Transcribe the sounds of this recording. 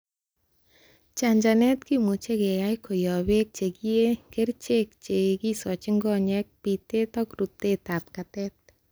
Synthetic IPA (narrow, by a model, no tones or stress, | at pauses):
t͡ʃaɲd͡ʒanɛt̪kimut͡ʃeɡɛjajkʰɔjɔwek̚t͡ʃeɡiekeɾt͡ʃekt͡ʃeɡisɔt͡ʃɪŋɡɔɲɛk̚pit̪et̪ɔkɾut̪ːet̪ap̚kat̪ɛt̪̚